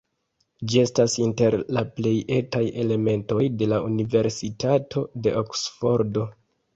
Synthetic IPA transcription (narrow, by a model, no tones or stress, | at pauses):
d͡ʒie̞stasinte̞ɾlaple̞je̞taje̞le̞me̞nto̞jde̞launive̞ɾsitatʰo̞de̞ʔoksfo̞ɾdo̞